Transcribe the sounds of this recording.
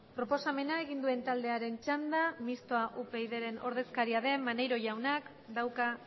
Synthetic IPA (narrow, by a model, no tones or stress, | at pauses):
pɾo̞po̞same̞nae̞ɣind̪ue̞nt̪ald̪e̞aɾe̞nt͡ʃand̪amist̪oaʔupe̞jðe̞ɾe̞no̞̰ɾð̞e̞skaɾiaðe̞mːane̞jɾo̞ʝawnak | d̪awka